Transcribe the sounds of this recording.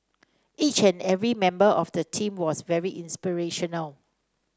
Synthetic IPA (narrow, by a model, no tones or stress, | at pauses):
ʔit͡ʃɛ̃nɛvɹimɛ̃mbəʔɔfdətʰĩmwɔsvɛɹiʔĩnspiɹeʃɔnəl